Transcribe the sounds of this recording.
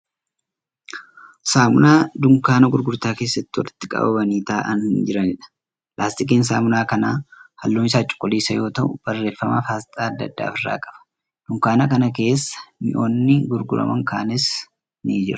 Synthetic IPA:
saːmʊ̰naːd̪ʊŋkaːnɐɡʊɾɡʊɾt̪aːkeːsːɐt̪ːɪwɐ̰lɪt̪ːɪkʼɐ̰bɐ̰bɐniːt̪aːʔɐnhɪnd͡ʒɪɾɐnɪᶑɐ̥ | lʔaːst̪ɪk̬iːnsa̰ːmʊnaːkɐnaːhɐlːuːmɪsaːt͡ʃʼʊ̥kʼːʊliːsɐjo̞ːt̪ɐʔʊb̥ɐrːe̞ːfːɐmafaːst̪ʼaːɐd̪ːɐ̰d̪ːa̰ːfɪrːa̰ːkʼɐbɐ̥ | d̪̥ʊŋkaːnɐkɐnɐke̞ːsːɐ̥mɪʔoːnːɪɡʊɾɡʊɾɐ̰mɐŋkaːnɪs | nid͡ʒɪɾʊ̥

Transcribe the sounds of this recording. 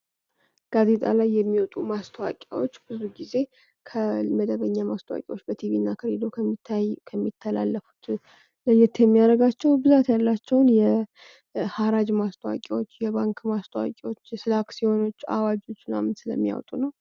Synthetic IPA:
ɡ̥aze̞t̪ʼa̰lajːɛmːiwɔt̪ʼumast̪ʰəwa̰kʼawot͡ʃːbɨzuɡize̞ | kʰəməd̪əβəɲːamast̪ʰəwa̰kʼiwot͡ʃːbət̪ʰivinːakʰəɾed̪ok̪ʰːakʰəmːit̪ʰːəla̰lːəfu̥t̪ | ləjɛt̪ːjɛmːijaɾəɡat͡ʃːɛwbɨzat̪jalːat͡ʃːɛwnjɛ | haɾad͡ʒmast̪ʰəwa̰kʼiwo̞t͡ʃːjɛβaŋkmast̪ʰəwa̰kʼiwot͡ʃːjɛsɨlaksiho̞no̞t͡ʃːa̰wad͡ʒo̞t͡ʃːna̰mnsɨlə̰mːija̰wt̪ʼunəw

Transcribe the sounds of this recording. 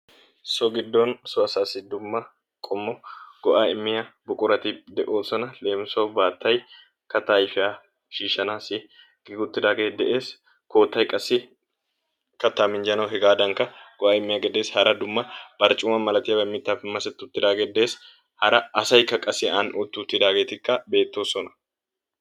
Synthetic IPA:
sɔɡɪd̪ːɔnsɔɐsaːsɪd̪ʊmːɐ | kʼɔmːɔɡ̥ɔʔaːɪmːɪjɐbʊkʼʊɾɐt̪ɪd̪ɛʔoːsɔnɐle̞ːmsobaːt̪ːɐj | kɐt̪aːjfɪa | ʃiːʃɐnaːsɪ | ɡɡʊt̪ːɪd̪aːɡeːd̪ɛʔe̞ːs | koːt̪ːɐjkʼɐsːɪ | kɐt̪ːamɪnd͡ʒɐnɐwɦɛɡaːd̪ɐŋkɐɡ̥ɔʔaːɪmːɪjaɡɛd̪e̞ːshɐɾɐd̪ʊmːɐbɐɾt͡ʃʼʊːmɐmɐlɐt̪ɪjɐbɐmːɪt̪ːaːfɪmːɐsɛt̪ːɪʊt̪ːɪd̪aːɡɛd̪e̞ːs | hɐɾɐːsɐjkːɐkʼɐsɪaːnʊt̪ːɪʊt̪ːɪd̪aːɡe̞ːt̪ɪkːɐbe̞ːt̪ːo̞ːsɔnɐ̥

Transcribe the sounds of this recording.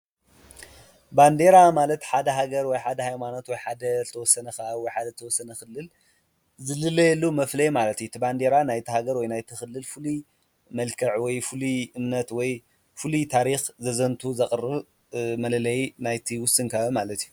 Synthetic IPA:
band̪e̞ɾamalɐt̪ħad̪ɐɦaɡɐɾwɔjħad̪ɐhajmanot̪wɔjħad̪ɐzt̪ʰɐwɔsːɐnɐkawɔjħad̪ɐzt̪ʰɐwɔsːɐnɐxɨlːɨl | zɨlɨlːɐjɛlːumɐflɐjmalɐt̪jut̪ʰiband̪e̞ɾanajt̪ʰihaɡɐɾwɔjnajt̪ʰɨxɨlːɨlfɨlu | mɐlkʰɐʕwɔjfɨluʔɨmnɐt̪wɔj | fɨlut̪ʰaɾixzɐzɐnt̪ʰuzɐχʼrɨβ | mɐlɐlɐjnajt̪ʰiwʊsɨŋkʰajomalɐt̪iju

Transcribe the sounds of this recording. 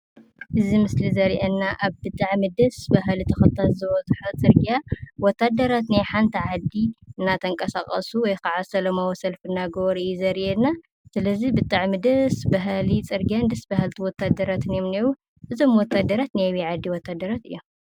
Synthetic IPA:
ʔɨzimɨslizɐɾiʔɐnːaʔaβbɨt̪ʼaʕmɨd̪ɐsbaɦlit̪ʰɐxɐt̪ʰːalzɨβɐzɨħat͡sʼɨɾɡijawɔt̪ʰːad̪ɐɾat̪najħant̪ʰɐʕad̪iɨnːat̪ʰɐŋkʼɐsaχʼɐ̰suwɔjkaʕasɐlɐmawɔsɐlfɨnːaɡoβɾijuzɐɾiʔɛna | sɨlɐzibɨt̪ʼaʕmɨd̪ɐsbaɦlit͡sʼɨɾɡijand̪ɐsbaɦɨlt̪ʰiwɔt̪ʰːad̪ːɐɾat̪ɨnjomnewu | ʔɨzo̞mwɔt̪ːad̪ɐɾat̪najβiʕad̪ːiwɔt̪ʰːad̪ːɐɾat̪ɨjːom

